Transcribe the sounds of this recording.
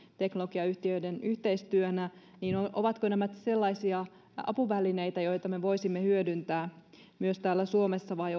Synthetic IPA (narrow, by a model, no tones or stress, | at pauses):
t̪eknoloɡ̥iɑyht̪iøidenyht̪eist̪yønæ | niːnoʔoʋɑt̪kønæmæt̪se̞lːɑisiɑ | ɑ̰puʋæline̞jt̪æjo̞jt̪ɑme̞ʋo̞isimːehyødynt̪æː | myøst̪æːlːæsuomesːɑʋɑj